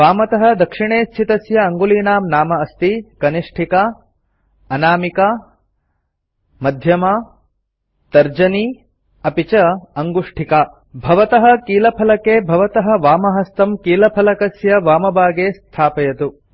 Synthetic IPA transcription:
ʋaːmɐt̪ɐɦɐ̆d̪ɐkʂiɳeːst̪ʰit̪ɐsjɐːŋɡuliːnaːmnaːmɐːst̪ikɐniʂʈʰika | ɐnaːmika | mɐd̪ʱjɐma | t̪ɐɾd͡ʒɐni | ɐpit͡ʃɐɐŋɡuʂʈʰikaː | bʱɐʋɐt̪ɐɦɐ̆kiːlɐpʰɐlɐkeːbʱɐʋɐt̪ɐɦɐ̆ʋaːmɐɦɐst̪ɐmkiːlɐpʰɐlɐkɐsjɐʋaːmɐbaːɡeːst̪ʰaːpɐjɐt̪u

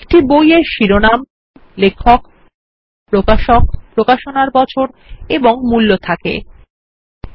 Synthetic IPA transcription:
k̚ʈibojeɾʃiɾonam | lekʰːok | pɾokaʃokpɾokaʃonaɾbɔt͡ɕʰoɾ | eboŋmulːot̪ʰakḛ

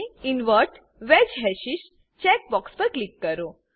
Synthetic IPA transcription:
inʋəɾʈ | ʋɛd͡ʑɦɛɕis | t͡ɕɛk̚bɔkspəɾklikːəɾo

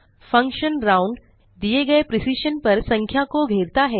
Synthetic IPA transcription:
fɐ̃ŋkʃənɾãːʊ̃ɳɖ | d̪ieɡɐepɾɪsiːʃənpɐɾsɐ̃ŋkʰjakoɡʱeːɾt̪aɦɛː

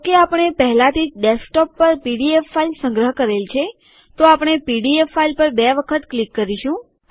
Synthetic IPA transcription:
keapəɳ̃epəɦɛlãt̪ʰid͡ʒɖesk̚ʈɔpːəɾpiɽiefːailsə̃ŋɡɾəɦkəɾelt͡ʃʰe | t̪oapɳ̃epiɖiefːailpəɾbɛʋəkʰət̪klikːəɾiʃũ

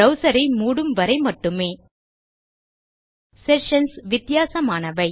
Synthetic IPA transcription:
ɐʊsɐɾɐɪmuːɽɯmʋɐɾɐɪmɐʈːɯmeː | sɛʃɐnsʋɪt̪ɪjaːsɐmaːnɐʋɐɪ

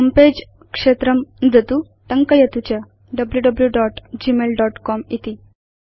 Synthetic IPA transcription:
əmped͡ʑ | kʂet̪ɾəmd͡zət̪u | ʈəŋkəjət̪ut͡ɕja | ɖəbljuɖəbljuɖɔʈd͡ʑimelɖɔʈkɔmit̪i

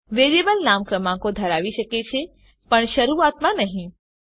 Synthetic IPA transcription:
ʋeɾebəlnamkɾəmãkod̪ʱəɾaʋiʃəket͡ʃʰe | pəɳʃəɾuat̪mãnəɦĩ

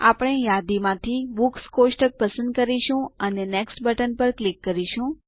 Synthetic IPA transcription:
a̰pəɽ̃ejad̪imãt̪ʰibukskosʈək̚pəsə̃nd̪̚kəɾiʃũəneneksʈbəʈənpəɾklikːəɾiʃũ

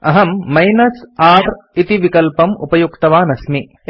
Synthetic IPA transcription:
ɐɦɐmːɐjnɐsaːɾ | it̪iʋikɐlpɐmṵpɐjukt̪ɐʋaːnɐsmi

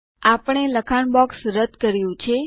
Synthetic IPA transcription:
apəɳ̃eləkʰaɳbɔksɾəd̪kəɾjũt͡ʃʰe

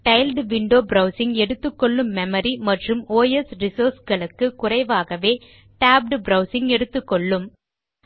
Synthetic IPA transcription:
ʈɐɪlɖʋɪɳɖoːbɾɐʊsɪŋɡɛɽɯt̪ːɯkːɔɭːɯmːɛmɐɾimɐʈrɯmoːjɛsɾɪsoːɾsɡɐɭɯkːɯkʊrɐɪʋaːɣɐʋeː | ʈaːb̚ɖbɾɐʊsɪŋɡɛɽɯt̪ːɯkːɔɭːɯm

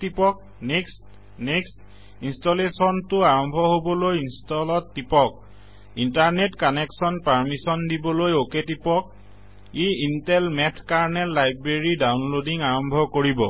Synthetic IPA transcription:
tipɔk̚ | neks | nekst | instolesɔntʊaɹɔmbʱɔɦobɔlojinstɔlɔtːipɔk̚ | intaɹnetkɔnɛksɔnpaɹmisɔndibɔlojoketipɔk̚ | iintɛlmɛtʰkaɹnɛlːajbɹeɹidawnlodiŋaɹɔmbʱɔkoɹibɔ

